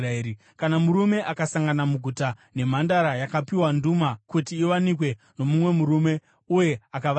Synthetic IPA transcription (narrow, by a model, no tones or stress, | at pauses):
ɾi | kanamuɾume̞ʔakasaŋɡanamuɡʱutane̞m̤andaɾajakapiwandumakutiːʋanik̬we̞ | no̞mumwe̞muɾume̞ | uje̞akaʋ